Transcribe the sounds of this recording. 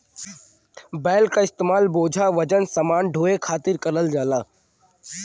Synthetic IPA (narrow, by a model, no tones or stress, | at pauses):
bɛːlkaɪst̪eːmaːlboːd͡ʒʱaʋɐd͡ʒənsɐmaːnɖʱoːekʰaːt̪ɪɾkɐɾəld͡ʒaːlaː